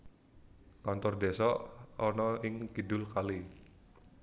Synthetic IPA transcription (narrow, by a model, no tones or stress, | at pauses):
kant̪ʊrdesɔːnɔɪŋkidʊlkali